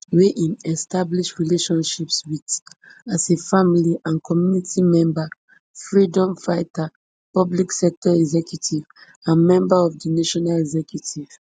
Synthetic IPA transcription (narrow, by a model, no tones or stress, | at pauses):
weʔĩnɛstabliʃɹileʃɔ̃nʃipswidasefamiliʔãnkʰɔmjunitʰimɛ̃mba | fɹidɔ̃mfaɪta | pɔbliksɛk̚tʰɔɛɡzɛkjutʰiv | ãnmɛ̃mbaɔvdinaʃɔnalɛɡzɛkjutʰiv̥